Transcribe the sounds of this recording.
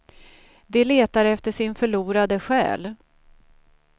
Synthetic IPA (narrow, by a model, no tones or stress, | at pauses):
d̪ɛleːt̪aɾɛft̪əʂɪnfœɭuːɾad̪əɧɛ̰ːl